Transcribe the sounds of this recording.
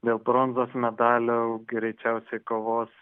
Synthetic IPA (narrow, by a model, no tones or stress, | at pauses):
d̪ʲeːlˠbɾoːnzoːsmʲɛd̪ɑːlʲoːɡɾʲɛɪt͡ʃʲɛʊsʲɛɪkoːʋoːs